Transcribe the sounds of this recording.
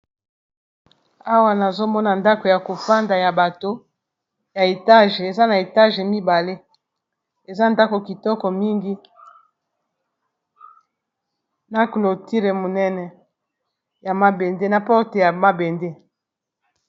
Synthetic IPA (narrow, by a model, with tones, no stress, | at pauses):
a˦wa˦na˨zo˦mɔ˦na˨nda˦ko˨ja˨ko˨fa˦nda˨ja˨ba˨to˦ | ja˨e˨ta˦ʒe˨za˦na˨e˨ta˦ʒe˨mi˦ba˨le˦ | e˨za˦nda˦ko˨ki˨tɔ˦kɔ˨mi˦ŋɡi˦ | na˨klo˨ti˦ʁe˨mo˨nɛ˦nɛ˨ | ja˨ma˦be˨nde˦na˨pɔ˦ʁte˨ja˨ma˦be˨nde˦